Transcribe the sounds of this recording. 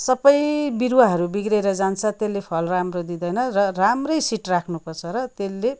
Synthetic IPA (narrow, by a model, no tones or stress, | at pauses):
sʌbʌjbiɾwaɦʌɾubiɡɾeɾʌd͡zant͡sʰʌt̪elːepʰʌlramrod̪id̪ʌjnʌrʌramrʌjsiʈrakʰnupʌrt͡sʰʌɾʌt̪elːe